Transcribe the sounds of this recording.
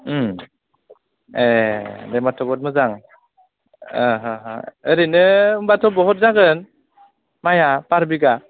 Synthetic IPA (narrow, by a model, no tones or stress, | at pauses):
edɛmatʰɔbɔt̚mɯzaŋ | əɦɯɦəɾinɯɯmbatʰɔbɔɦɔt̚zaɡɯn | majapaɾbiɡa